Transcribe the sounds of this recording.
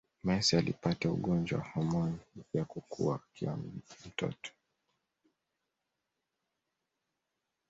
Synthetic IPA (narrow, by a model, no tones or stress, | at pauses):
mɛsialḭpataṵɠɔnd͡ʒwa̰wahɔmɔnjakukʰṵakʰiwam̩tɔ̰tʰɔ̥